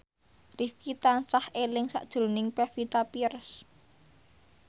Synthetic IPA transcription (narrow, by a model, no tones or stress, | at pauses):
rifkit̪ansahelɪŋsa̰ʔd̥ʒ̥ɾonɪŋpɛfit̪apirs